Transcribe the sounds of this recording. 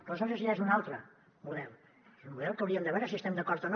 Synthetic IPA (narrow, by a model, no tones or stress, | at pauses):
kosazes̬iezunalˠt̪ɾə | muðɛlˠ | ezummuðɛlˠkəwɾiəmd̪əβɛɾəsiəst̪ɛmd̪əkɔɾt̪ən